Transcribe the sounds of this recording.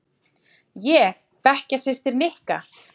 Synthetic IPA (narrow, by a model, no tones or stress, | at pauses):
jɛɣ | pɛhcasɪst̪ɪɾnɪhka̰